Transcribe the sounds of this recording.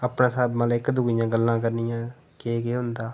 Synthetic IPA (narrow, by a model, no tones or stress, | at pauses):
əpɳãːsaːbmaːlɪkd̪ʊɡijãːɡəlːãːkəɾnijãː | keːkeːɦʊnd̪aː